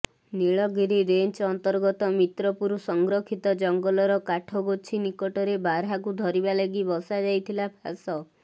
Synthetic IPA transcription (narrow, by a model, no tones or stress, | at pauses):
niɭɔɡiɾiɾent͡ʃɔnt̪ɔɾɡɔt̪ɔmit̪ɾɔpuɾusɔŋɡɾɔkʰit̪ɔd͡ʒɔŋɡɔlɔɾɔkaʈʰɔɡot͡ʃʰinikɔʈɔɾebaɾɦakud̪ʱɔɾibaleɡibɔsad͡ʒajt̪ʰilapʰasɔ